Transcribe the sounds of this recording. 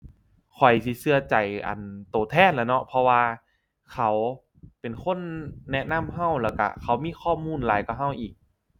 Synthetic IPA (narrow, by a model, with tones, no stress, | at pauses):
kʰɔ˨˩jsi˧˦sɯ˧ɐt͡ɕa˨˩jʔa̰˨˩nt̪oː˨˩t̪ʰɛː˧˥˨nlaː˧˩nɔ˧˥pʰɔ˧waː˧ | kʰa˧˩w | pe˨˩nkʰo˧˥˨nːɛ˦˧˥na˧˥˨mɦa˧˩˨wlɛː˧˩wka̰˧˩kʰa˧˩wmiː˧˥˨xʰɔː˧˥˩muː˧˥˨nlaː˨˦jkaː˨˩ɦa˧˥˩wʔiː˨˩k̚